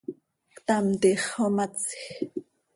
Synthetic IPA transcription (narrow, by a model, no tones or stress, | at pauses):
kt̪amt̪iχomat͡sx